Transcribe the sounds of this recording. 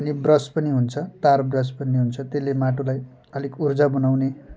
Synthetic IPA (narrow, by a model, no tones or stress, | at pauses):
ʌnibrʌspʌniɦunt͡sʰʌt̪arbrʌspʌnːiɦunt͡sʰʌt̪elːemaʈolaj | ʌlikurd͡zabunawne